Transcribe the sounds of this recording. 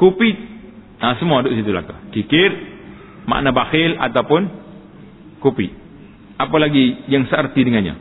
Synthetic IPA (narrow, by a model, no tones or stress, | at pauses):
kupi | asəmuadoʔsit̪ula̰kakikɪr | ma̰ʔnabahɪla̰t̪awpʊn | kupi | apalaɡijaŋsəərt̪idəŋanɲa̰